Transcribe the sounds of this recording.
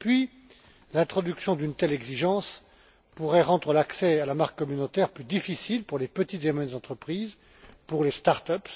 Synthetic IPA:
pɥi | lɛ̃t̪χɔd̪yksjɔ̃d̪ynt̪ɛlɛɡziʒɑ̃s | puʁɛʁɑ̃d̪ʁəlaksɛalamaʁkːɔmynot̪ɛʁplyd̪ifisilpuʁlepət̪it̪zemɔjɛnzɑ̃t̪χəpχiːz | puʁlest̪aʁt̪œp

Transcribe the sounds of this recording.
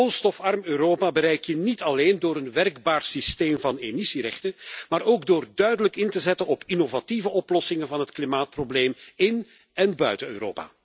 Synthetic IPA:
onstɔfɑrmøːɾoːpabəɾɛjkjənitɑleːndoːɾənʋɛrɡbaːrsisteːmvɑnemisiɾɛxtənmaːɾoːɡdoːrdœɥdələkɪntəzɛtənɔpʰinovativəʔɔplɔsɪŋənvɑnɦətklimaːt̚probleːmɪn | ɛnbœɥtəø̰ːɾo̰ːpa̰ː

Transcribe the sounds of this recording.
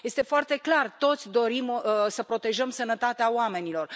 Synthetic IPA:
je̞st̪e̞foart̪e̞klart̪o̞t̪sʲd̪o̞ɾimsəpɾo̞t̪e̞ʒəmsənət̪at̪eaoame̞nilo̞r

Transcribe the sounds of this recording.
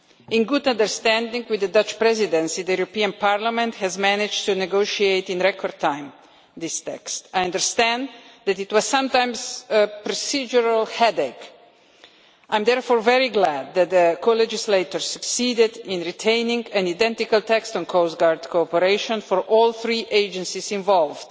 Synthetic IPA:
ɪ̃nɡʊdãndəɾst̪æ̃ndĩŋɡwɪd̪ədʌt͡ʃpɾɛzid̪ɛ̃nsid̪əjuɾopiə̃npʰaɹlamɛ̃nthɛzmænɪd͡ʒtunɛɡoʃieɪt̪ĩnɾɛkɔɹd̚tʰãɪ̃m | d̪ɪst̪ɛ̰kst̪ajʌ̃ndəɹst̪æ̃nd̪ðɛtɪtwɔz̥sʌ̃mtãɪ̃msəpɾɔsid͡ʒəɹəlˠhɛdek | ʔãɪ̃md̪ɛɹfɔːɹvɛɹiɡlæd̪̚ːæt̪̚ðəkʰolɛd͡ʒɪsleɪt̪ɔɹsɨksidɪdɪ̃nɹitʰẽɪnɪ̃ŋɡæ̃naɪdɛ̃ntikəlˠt̪ɛkstɔ̃nkʰoʊsɡaɹdkʰoɔpəɾeɪʃɔ̃nfɔɹʔɔlˠθɹiʔeɪd͡ʒə̃nsisɪ̃ɱvɔlˠvd̥

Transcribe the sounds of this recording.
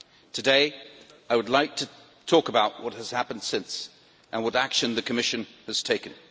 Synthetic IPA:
tʰɨdeɪ | aɪwədˡlaɪk̚tʰɨ | tʰɔkəbaʊʔ̚wʌt̚həz̥hæpə̃nd̥sɪ̃ns | ʔə̃nwʌɾækʃɨ̃nðɨkʰɨmɪʃɨ̃nɨz̥tʰeɪkɨ̃n

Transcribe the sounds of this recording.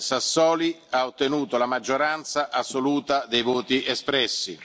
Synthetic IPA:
sasːɔːli | aot̪ːenuːt̪olamad͡ʒːoɾant̪saʔasːoluːt̪ad̪ejvoːt̪iʔespɾɛsːḭ

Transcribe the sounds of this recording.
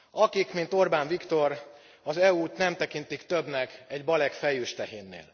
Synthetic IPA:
ɒkikmint̪o̞rbaːɱvikt̪o̞r | ɒzɛuːt̪nɛmt̪ɛkint̪ikt̪ø̞bnɛkɛɟbɒlɛkfɛjøːʃt̪ɛɦeːnːḛːl

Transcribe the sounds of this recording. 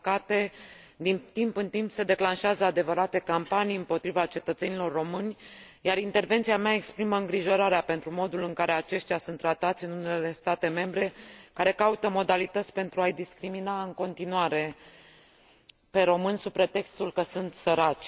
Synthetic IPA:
kat̪e̞ | d̪int̪impɨnt̪impse̞d̪e̞klanʃeazəad̪e̞vəɾat̪e̞kampanijɨmpo̞t̪ɾivat͡ʃe̞t̪ət̪se̞nilo̞rːo̞mɨnʲ | jaɾint̪e̞rve̞nt̪siameae̞kspɾiməɨŋɡɾiʒo̞ɾaɾeape̞nt̪ɾumo̞d̪ulɨŋkaɾe̞at͡ʃe̞ʃt̪jasunt̪ːɾat̪at̪sʲɨnune̞le̞st̪at̪e̞me̞mbɾe̞kaɾe̞kaut̪əmo̞d̪alit̪ət̪sʲpe̞nt̪ɾuajd̪iskɾiminaɨŋko̞nt̪inuaɾe̞ | pe̞ɾo̞mɨnsupɾe̞t̪e̞kst̪ulkəsunt̪səɾat͡ʃʲ

